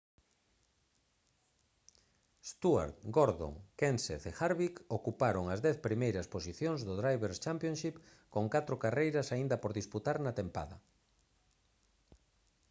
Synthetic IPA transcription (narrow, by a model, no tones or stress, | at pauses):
st̪ua̰ɾt̪ɡoɾðo̰ŋkensḛθexaɾβikokupaɾoŋɐzðɛθpɾimejɾɐsposiθjõŋzðʊðɾajβeɾst͡ʃampjõnʃip | koŋkat̪ɾʊkarejɾɐsaind̪ɐpoɾðisput̪aɾnat̪empa̰ðɐ